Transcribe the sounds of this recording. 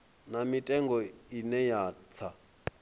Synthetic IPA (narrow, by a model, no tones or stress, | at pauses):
namitʼɛŋɡɔinɛjaːt͡sʰa